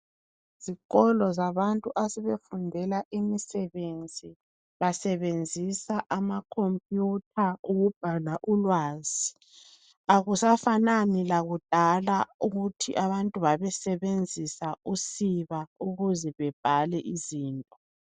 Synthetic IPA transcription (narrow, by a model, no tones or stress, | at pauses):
z̥iɣɔlɔzaβantʼuʔasɛβefundʱɛlaʔimisɛβend͡zʱi | βasɛβend͡zʱisaʔamakʰompʼjutʰauɣub̥ʱalaʔulwaːzi | aɣusafananilaɣud̥ʱalauɣutʰiʔaβantʼuβaβɛsɛβend͡zʱisausiβauɣuzɛβɛb̥ʱalɛʔiziːntʼɔ